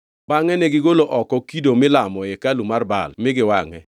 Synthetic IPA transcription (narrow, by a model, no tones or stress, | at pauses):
baŋɛnɛɡɪɡoloʔɔkɔkidomɪlamɔekalumarba̰lmɪɡɪwaŋɛ̰